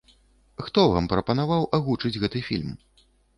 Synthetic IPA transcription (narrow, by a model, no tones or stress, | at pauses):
xt̪ɔva̰mpɾɐpɐnavawʔaɣut͡ʂɨd͡zʲɣɛt̪ɨfʲḭlʲm